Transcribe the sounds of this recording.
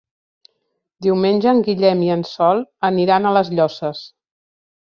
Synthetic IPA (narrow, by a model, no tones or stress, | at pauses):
d̪iwmenʲʒəːŋɡiʎɛmiənsɔlˠəniɾanələzʎɔsəs